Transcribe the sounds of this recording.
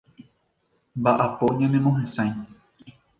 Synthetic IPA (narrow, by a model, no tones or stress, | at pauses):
mbaʔapoɲãnẽmõɦẽsãj̃